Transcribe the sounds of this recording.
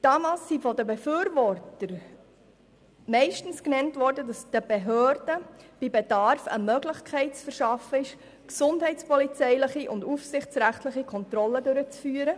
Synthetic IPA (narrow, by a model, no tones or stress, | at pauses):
d̥ɑːmɑlsːifɔdəbefyːɾvɔɾtəɾ | mɛɪʃtən̩sknɛntʋɔɾdədɑsd̥əb̥eɦøːɾd̥əb̥ibedɑɾfə̰mœːɡlɪχkʰɛɪt̚t͡sfɛɾʃɑfːəɪʃ | ksʊndɦɛɪtt͡spʰɔlit͡sɛɪləχiʔʊndufsɪχt͡sɾæχtləχikʰɔnt̪rɔlːədʉɾət͡sfyːəɾə